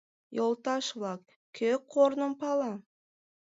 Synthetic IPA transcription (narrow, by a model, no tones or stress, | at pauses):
jolˠt̪ɑʃβlˠɑk | kʲʰøkʰːoɾnəmpɑlɑ